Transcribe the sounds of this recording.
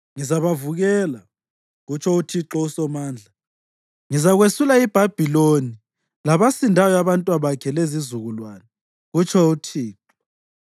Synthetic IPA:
ŋizaβavuɣɛla | ɣut͡ʃʰɔutʰiǁɔusɔmaːnd͡ɮʱa | ŋizaɣwesulaib̥ʱab̥ʱiloni | laβasindʱajɔaβantʼwaβakʰɛlezizuɣulwana | ɣut͡ʃʰɔutʰiːǁɔ

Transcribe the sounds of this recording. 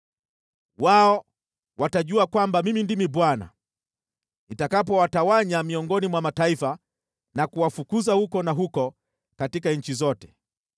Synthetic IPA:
waɔ | wataʄuakwambamimindimiɓwana̰ | nitakapɔwatawaɲamiɔŋɡɔnimwamataifa | nakuwafukuzahukɔnaɦukɔ | katikaɲ̩t͡ʃizɔtɛ̥

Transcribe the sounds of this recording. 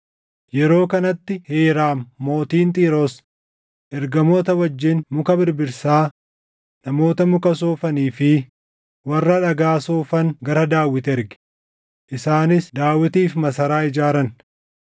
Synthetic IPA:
jɛɾo̞ːkɐnɐt̪ːɪheːɾaːmːo̞ːt̪iːnt̪ʼiːɾoːs | ʔɛɾɡɐmoːt̪ɐwɐd͡ʒːɪnmʊkɐbɪɾbɪɾsaː | nɐmo̞ːt̪ɐmʊkɐs̬oːfɐniːfɪ | wɐrːɐᶑɐɡaːsoːfɐŋɡɐɾɐd̪aːwːɪt̪ɛɾɡɪ̥ | ʔɪsaːnɪsd̪aːwːɪt̪iːfmɐsɐɾaːɪd͡ʒaːɾɐn

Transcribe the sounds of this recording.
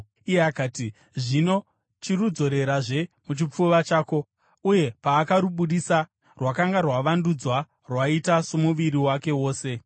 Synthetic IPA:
ijeakaːti | ʐino̞ | t͡ʃirud͡zo̞ɾe̞ɾaʐe̞mut͡ʃip͡fuʋat͡ʃaːko̞ | uje̞paːkaɾuɓuɗisa | rwakaŋɡarwaʋandud͡zwa | rwaitasomuʋiɾiwake̞wo̞ːse̞

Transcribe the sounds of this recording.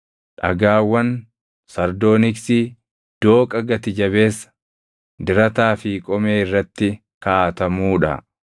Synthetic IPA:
ᶑɐɡaːwːɐn | sɐɾd̪o̞ːnɪksi | d̪̥o̞ːkʼɐɡɐt̪ɪd͡ʒɐβe̞ːsːɐ̥ | d̪ɪɾɐt̪aːfiːkʼɔmeːɪrːɐt̪ːɪ | kaːt̪ɐmuːᶑɐ̰

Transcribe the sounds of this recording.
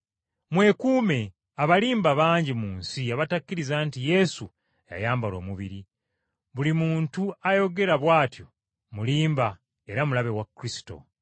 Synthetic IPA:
mwe̞kuːme̞ | aβaliːmbaβaːɲɟimuːnsiaβatakːiɾizaːntije̞su | ja̰jaːmbalo̞ːmuβiɾi | βulimuːntuajo̞ɡe̞ɾaβwaːtjo̞ | muliːmba | e̞ɾamulaβe̞wakɾisi̥to̞̰

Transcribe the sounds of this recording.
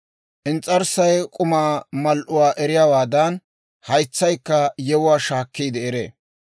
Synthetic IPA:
ʔɪnt͡sʼɐɾsɐjkʼʊmaːmɐlʔʊwaːʔɛɾɪjaːwaːd̪ɐn | hɐjt͡sːɐjkːɐjɛwʊwaːʃaːkːiːd̪ɛɛɾḛ

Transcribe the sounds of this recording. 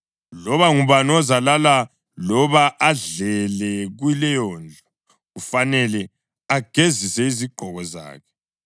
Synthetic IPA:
lɔβaŋuβanɔzalala | lɔβaʔːɮɛlɛɣwilɛjɔːnd͡ɮʱɔ | ɣufanɛlɛ | aɡ̥ʱezisɛiziɡ͡ǃ̥ʱɔɣɔza̰ːkʰɛ̥

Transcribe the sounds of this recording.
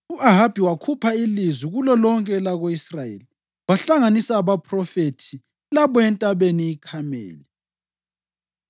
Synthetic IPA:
uʔaɦab̥ʱiwakʰupʰailiziɣulɔlɔŋkʼɛlaɣoisrajḛli | waɬaŋanisaβapʰʼrɔfetʰi | laβɔɛntʼaβeniːkʰamɛ̰ːlɛ

